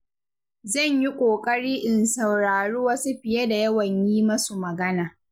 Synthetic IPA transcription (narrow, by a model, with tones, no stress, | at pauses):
zɐ˦˨ɲji˦kʷʼoː˨kʼɐ˦ɽiː˦ʔɪ˨nsɐ˨wɾaː˨ɽuː˦wɐ˦su˦ɸɪ˨jɐ˦da˨jɐ˦wɐ˨ɲjiː˦mɐ˦su˨mɐ˨ɡɐ˦naː˨